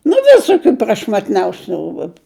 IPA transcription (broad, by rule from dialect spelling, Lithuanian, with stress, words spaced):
nʊ ˈʋʲɪsoːkʲʊ prɐʃmɐtʲˈnʲɛʊsʲʊ ˈruːbʊ